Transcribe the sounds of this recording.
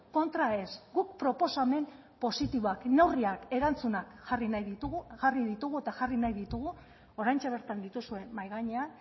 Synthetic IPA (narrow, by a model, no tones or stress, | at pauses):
ko̞nt̪ɾae̞sɡuk̚pɾo̞po̞same̞n | po̞sit̪iβoaknewriake̞ɾant͡sunakxarinajðit̪uɣxariðit̪uɣue̞t̪aʝarinajðit̪uɣ̞u | o̞ɾajnt͡ʃaβ̞e̞ɾt̪and̪it̪usue̞nmajɣaɲean